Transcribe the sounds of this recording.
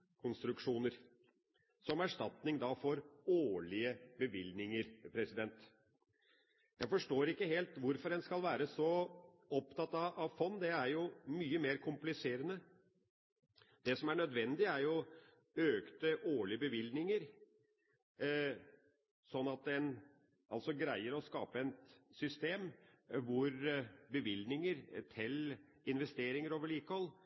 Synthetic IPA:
kʰʊnst̪ɾʉkʂuːnəɾ | sɔmæʂʈɑt̪nɪŋd̪ɑfɔɾoːɭɪəbəʋɪlnɪŋəɾpʰɾɛsɪd̪ɛnt̪ | jæfɔʂʈoːɾɪkːəɦeːlt̪ʋʊɾfɔɾɛnskɑlʋæːɾəsɔ | ɔpt̪ʰɑt̪ːɑɑʋfɔnːd̪ɛæɾjʊmyːəmeːɾkʰʊmplɪseːɾənə | d̪̥ɛsɔmæɳœd̪ʋɛnd̪ɪæɾjʊ | øːkt̪əʔoːɭɪbəʋɪlnɪŋəɾ | sɔnːɑt̪̚d̪ɛn | ʔɑ̰lsɔɡɾæɪəɾɔskɑ̰ːpəɛnt̪sʏst̪eːmʋʊɾbəʋɪlnɪŋəɾt̪ʰɪl | ɪnʋɛst̪eːɾɪŋəɾoːʋəɭiːkəhɔlː

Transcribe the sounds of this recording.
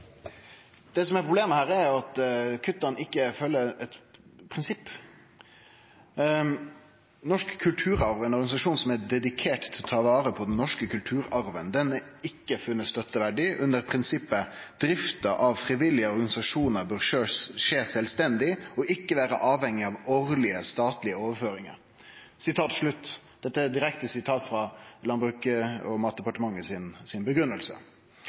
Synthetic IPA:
d̪̥ɛsɔmɛɾpʰɾʊbleːməhæːɾæɾjʊɑt̪kʰʉt̪ːɑnɪkːəfœlːəɛt̪pʰɾɪnsɪpː | nɔʂkkʰːʉlt̪ʰʉːɾɑɾʋɛnɔɾɡɑnɪsɑʂuːnsɔmæd̪ɛd̪ɪkʰeːʈt̪ʰːɪlt̪ʰɑːʋɑːɾəpʰɔd̪ɛnnːɔʂkəkʰʉlt̪ʰʉːɾɑɾʋənd̪ɛnɪkːəfʉnːəst̪œt̪ːəʋæɖɪʔʉnd̪əɾpʰɾɪnsɪpːəd̪̥ɾɪft̪əʔɑʋfɾɪʋɪlːɪəɔɾɡɑnɪsɑʂuːnəɾbøːɾʂøːʂeːsɛlst̪ɛnd̪ɪɔʔɪkːəʋæːɾə̰ʔɑːʋhɛŋːɪɑʋoːɾlɪəst̪ɑːt̪lɪəoːʋəføːɾɪŋə̰ɾ | sɪt̪ʰɑːt̪ʂɭʉt̪ːd̪̥ɛt̪ːəæd̪ɪɾɛkt̪əsɪt̪ʰɑːt̪fɾɑlɑnbʉkəɔmɑːt̪̚d̪ɛpɑʈəmɑŋːəsɪnsɪnbəɡɾʉnːəlsə̰

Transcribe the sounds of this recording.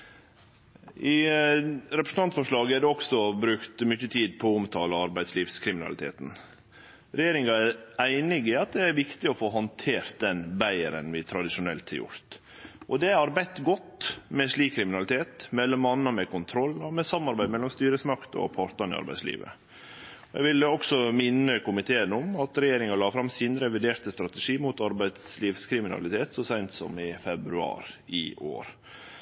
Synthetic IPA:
ʔɪ | ɾɛpɾəsn̩t̪ʰɑnt̪fɔʂɭɑːɡəæɖɛɔksɔbɾʉkt̪mʏçət̪ʰiːd̪̚pʰɔʊmt̪ʰɑːlɑɑɾbæɪd̪sliːʋskʰɾɪmɪnɑ̰lɪt̪ʰḛːt̪n̩ | ɾɛjeːɾɪŋɑæɾæɪnɪɡɪɑt̪̚d̪ɛæɾʋɪkt̪ɪɔfoːɦɔnt̪ʰeːɾt̪̚d̪ɛnbæɪəɾə̰nʋɪt̪ʰɾɑd̪ɪʂʊnɛlt̪hɑ̰ɾjʊ̰ɾt̪ | ʔɔd̪ɛɑɾbɛt̪ɡɔt̪mɛʂɭiːkʰːɾɪmɪnɑlɪt̪ʰeːt̪mɛlːɔmɑnːɑmɛkʰʊnt̪ʰɾɔlːɑmɛsɑmːɑɾbæɪd̪mɛlːɔmst̪yːɾəsmɑkt̪ɔ̰pʰɑːɾt̪ɑnɪ̰ɑ̰ɾbæɪslḭːʋə̰ | ɔɛ̰ɡʋɪləɔksɔmɪnːəkʊmɪt̪ʰeːənɔmɑt̪ɾɛjeːɾɪŋɑlɑːfɾɑmsiːnɾɛʋɪd̪eːɾt̪əst̪ɾɑt̪əʂiːmʊt̪ɑɾbæɪd̪sliːʋskʰɾɪmɪnɑ̰lɪt̪ʰeːt̪sɔsæɪnt̪sɔ̰mɪfɛbɾʉɑ̰ːɾɪʔo̰ːɾ

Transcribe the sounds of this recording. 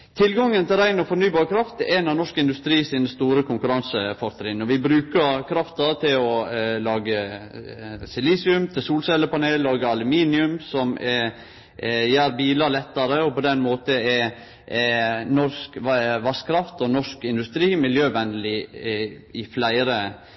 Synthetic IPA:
t̪ʰɪlɡɑŋːənt̪ʰɪlɾæɪnɔfɔɾnyːbɑːɾkʰɾɑft̪ɛnɑnɔʂkəɪnd̪ʉst̪ɾiːsɪːnəst̪uːɾəkʰʊŋkʉɾɑnsəfɔɾt̪ɾɪnɔʋɪbɾʉːkəɾkʰɾɑft̪ɑt̪ʰɪlɔlɑːɡə | sɪliːsɪʉmt̪ʰɪsuːlsɛləpɑneːlːɑːɡəɑlʉmiːnɪʉmsɔm | jæːɾbiːlɑɾlɛt̪ːɑɾəɔpɔd̪ɛnmoːt̪əɛ | nɔskʋɑskʰɾɑft̪ɔnɔʂkɪnd̪ʉst̪ɾiːmɪljøːʋɛnd̪lɪ | ɪflæɪɾə

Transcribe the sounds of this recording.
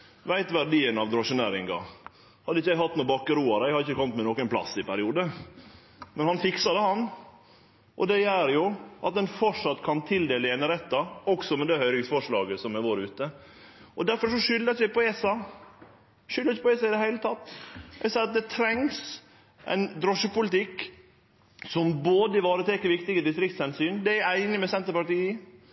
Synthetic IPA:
ʋæɪt̪ʋæɾɖiːənɑʋd̪ɾoːʂʊneːɾɪŋɡɑ̰ | hɑd̪əɪçːəjæɪhɑt̪ːnuːbɑkːəɾuːɑɾæɪhɑɾɪçəkʰɔmːət̪mɛnɔkənpʰlɑ̰sːɪpæɾɪuːd̪ə | mɛnhɑnfɪksɑd̪əhɑn | ʔɔ̰d̪ɛjæɾjʊʔɑt̪̚d̪ɛnfɔʂɑt̪ːkʰɑnt̪ʰɪld̪eːləenəɾɛt̪ːɑɔksɔmɛd̪ɛhœʏɾɪŋsfɔʂɭɑːɡəsɔmæɾʋoːɾʉːt̪ə | ʔɔd̪æɾfɔɾʂɔʂʏlːəsɛpɔeːsɑ | ʃʏləɾɪçəpɔeːsɑɪd̪ɛhæɪlət̪ʰɑt̪ːɛ̰sɑɑt̪̚d̪ɛt̪ʰɾɛŋs | ʔæ̰ɪnd̪ɾɔʂəpʊlɪt̪ɪkː | sɔmboːd̪əɪʋɑːɾət̪ʰeːkːəɾʋɪkt̪ɪɡəd̪ɪst̪ɾɪkt̪shɛnsyːnd̪ɛæɾæɪnɪmɛsɛnt̪əɾpɑʈiːə

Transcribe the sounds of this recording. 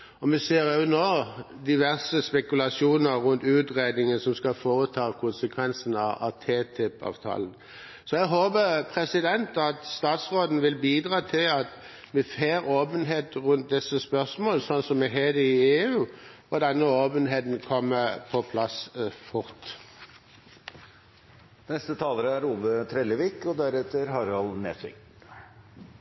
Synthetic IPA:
ɔmɛseːɾʉnoː | d̪ɪʋæʁsəspɛkʉlɑʂjuːnəɾʉnt̪ʉːt̪ʁeːd̪nɪŋənsɔmskɑfoːɾət̪ʰɑːkʰʊnsəkʰʋɛnsənɑɑ̰t̪ʰeːt̪ʰɪpɑ̰ːʋt̪ʰɑ̰ːlən | sɔɛɡɦoːbəpʰʁɛsɪd̪ɛnt̪ɑt̪st̪ɑːt̪sʁoːd̪n̩ʋɪlbiːd̪ʁɑːt̪ʰɪlɑt̪ | ʋɪfeːɾoːpənɦeːt̪ʁʉnt̪̚d̪ɛsːəspœʁsmoːlsɔnːsɔmːɛɦeːd̪əɪeːʉː | ɔd̪ɛnːəoːpənɦeːt̪n̩kʰɔmːəpʰɔpʰlɑsfʊɾt̪ | nɛst̪ət̪ʰɑːləɾəæɾuːbət̪ʰɾɛləʋikɔd̪æɾɛt̪ːəɾɦɑɾɑlnḛːsɪ̰k

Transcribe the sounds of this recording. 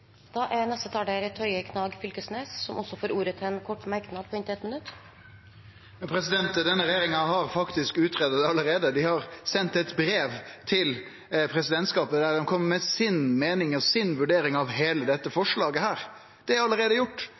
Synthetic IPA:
d̪̥ɑːʔænɛst̪ət̪ʰɑːɖɛɾɛt̪ʰhœʏəkʰnɑːɡfʏlkəsneːsːɔmʔɔsɔfoːɾʔuːɾət̪ʰɪɛnkʰɔʈːmæɾknɑd̪̚pʰɔɪnt̪ɪɛt̪mɪnʉt̪ː | pʰɾɛsɪd̪ɛnt̪d̪ɛnːəɾɛjeːɾɪŋɑɦɑɾfɑkt̪ɪskʉːt̪ʰɾeːd̪ət̪ɑləɾeːd̪əd̪ɪhɑʁsɛnt̪ɛt̪bɾeːʋt̪ʰɪl | pʰɾɛsɪd̪ɛnt̪skɑːpəd̪æɾd̪ɛmkʰɔmːəmɛsɪnmeːnɪŋɔsɪnʋʉɖeːɾɪŋɑʋɦeːləd̪ɛt̪ːəfɔʂɭɑːɡəhæːɾ | d̪̥ɛɑləɾeːd̪əjʊʈː

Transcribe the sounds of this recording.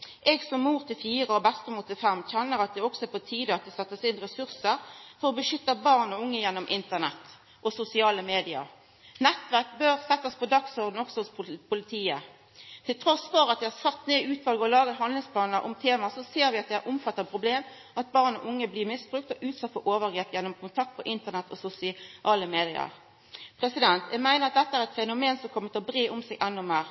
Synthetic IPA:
ʔɛɡsɔmːuːɾt̪ʰɪlfiːʁəɔbɛst̪ɔmuːt̪ɪlfɛmːçɛnːəɾɑt̪̚d̪ɛɔksɔɛpʰɔt̪ʰiːd̪əɑt̪̚d̪ɛsɛt̪ːəsɪnʁɛsʉʁsəɾfɔɾʁɔbəʃʏt̪ːəbɑːʁnɔʊŋːəjɛnːɔmʔɪnt̪əʁnɛt̪ː | ʔɔsʊsɪɑːləmeːd̪ɪɑ̰ɾ | nɛt̪ːʋæʁk̚bøːʁsɛt̪ːəspʰɔd̪ɑksɔʁd̪n̩ɔksɔhʊspʰʊlɪt̪ʰiːə | t̪ʰɪlt̪ʰɾɔsfɔɾɑt̪̚ʋɪhɑsɑt̪ːneːʉːt̪ʋɑlɡəɔlɑːɡəɦɑnd̪lɪŋspʰlɑːnəɾʔʊ̰mt̪ʰeːmɑsɔseːɾʋɪɑt̪̚d̪ɛæɾʔʊmfɑt̪ːəʁpʰɾʊbleːm | ʔɑt̪̚bɑːʁnɔ̰ʔʊŋːəblɪːmɪsbʁʉk̚t̪ɔʔʉːt̪sɑt̪ːfɔɾʔoːʋəʁɡɾeːpjɛnːʊmkʰʊnt̪ʰɑk̚t̪̚pʰɔʔɪnt̪əʁnɛt̪ʰːɔsʊsɪʔɑːləmeːd̪ɪə̰ʁ | pʰɾɛsɪd̪ɛnt̪jæmæɪnəʁɑt̪̚d̪ɛt̪ːəæːɾɛt̪fɛnʊmeːnsɔmkʰɔmːət̪ɔbɾeːʔʊmseːɡʔɛnːʊmeːʁ

